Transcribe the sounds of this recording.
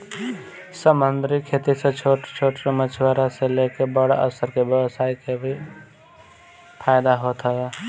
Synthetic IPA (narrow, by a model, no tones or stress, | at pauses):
səmə̃nd̪ɾikʰːeːt̪iset͡ʃʰoʈt͡ʃʰoːʈɾemət͡ʃʰwaɾaselekebəɽa̰ʔə̰səɾkebjəʋəsaːikebʱi | pʰaːjd̪aɦot̪ɦəɡaː